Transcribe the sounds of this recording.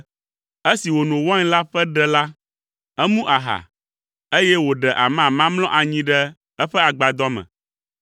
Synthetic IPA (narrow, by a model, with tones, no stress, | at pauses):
e˦si˨wo˨nõ˨wɔ̃˦ɲ˦la˦ɸɛ˦ɖɛ˦la˦ | ɛ˦mũ˦ʔa˨ɦa̰˨ | e˦jɛ˦wo˨ɖɛ˨ʔa˨mã˨mã˦mlɔ̃˦ʔa˨ɲĩ˦ɖɛ˦ | ɛ˦ɸɛ˦a˨ɡ͡ba˨d̪ɔ˦mɛ̰̃˨